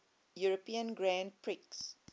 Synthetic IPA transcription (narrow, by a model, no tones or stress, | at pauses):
juɹəpiə̃nɡɹãnd̚pʰɹiks